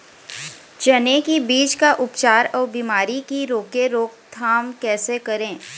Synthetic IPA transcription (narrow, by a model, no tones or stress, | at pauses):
d͡ʒɐnekibiːt͡ʃkaʔʊpt͡ʃaːɾɔːɾbimaːɾikiɾoːkeɾoːk̚t̪ʰaːmkɛːsekɐɾẽː